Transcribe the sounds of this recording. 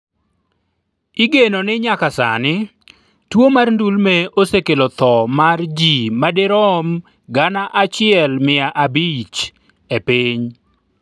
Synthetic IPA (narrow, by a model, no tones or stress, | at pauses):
iɡenonɪɲakasa̰nɪ | twomarndulmeosekelot̪ɔmard͡ʒimadɪɾɔm | ɡanaʔat͡ʃɪɛlmɪaʔabit͡ʃ | epiɲ